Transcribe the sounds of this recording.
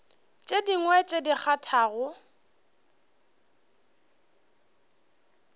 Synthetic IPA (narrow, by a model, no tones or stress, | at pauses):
t͡ʃʼediŋwɛt͡ʃʼedik͡xʰatʰaːɣʊ